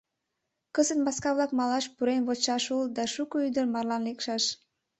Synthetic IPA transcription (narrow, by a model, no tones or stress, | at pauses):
kəzənmɑskɑβlɑkmɑlɑʃpuɾenβot͡ʃɑʃuld̪ɑʃukoyd̪ərmɑrlɑnlekʃɑʃ